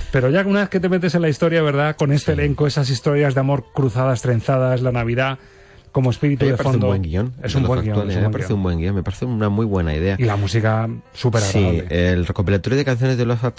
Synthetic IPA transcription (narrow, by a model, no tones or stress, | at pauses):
pe̞ɾo̞ʝaunaβeθke̞t̪e̞me̞t̪e̞se̞nlaist̪o̞ɾjaβe̞ɾðako̞ne̞st̪ele̞ŋko̞e̞sas̬ist̪o̞ɾjazðeamo̞ɾkɾuθaðast̪ɾe̞n̟θað̞aslanaβ̞iða | ko̞moe̞spiɾit̪uðeaɾeoeumd̪bweŋɡionesumweaɡitowalmepaɾeθeumbweŋɡionme̞paɾeθeunamwujβwe̞na̰ḭðe̞ailamus̬ikasupeɾaɣɾiaeelrekopilat̪oɾjoðe̞kan̟θjo̞nezðeloθat̪